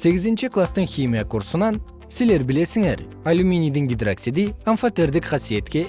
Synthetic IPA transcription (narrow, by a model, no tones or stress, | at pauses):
se̞ɡʲɪzɪnʃɪklˠast̪əɴχʲimʲijakʰuɾsənɑn | sɪzle̞ɾbɪle̞sɪŋe̞ɾ | alʲumʲinijd̪ɪŋɡʲid̪raksid̪ijanfat̪e̞ɾd̪ɪkχɑsije̞t̪kʲe̞